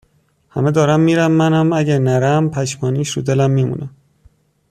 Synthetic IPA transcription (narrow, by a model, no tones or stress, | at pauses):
hæmed̪ɒːɾæmːiːɾæmːænæmæɟæɾnæɾæmpʰæʃmɒːniːʃɾṵd̪elæmːiːmṵːnʔæm